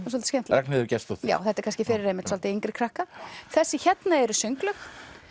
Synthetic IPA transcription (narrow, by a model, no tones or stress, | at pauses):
s̬ɔlt̪scʲɛm̥t̪aɾɛknɪðʏɾcɛst̪ut̪ja̰ːwθɛht̪ɛɾkʰanscɪfɪɾɪɾejmɪht̪sɔlt̪ɪiŋkɾɪkʰɾahkaθɛsːɪçɛt̪naɛɾʏsʏŋklʏx